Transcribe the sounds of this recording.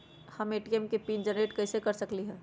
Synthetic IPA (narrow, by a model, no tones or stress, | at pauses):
hɐmeːʈiɛmkepiːnd͡ʒənɾeːʈkɛɪsekɐɾsɐkliɦɛː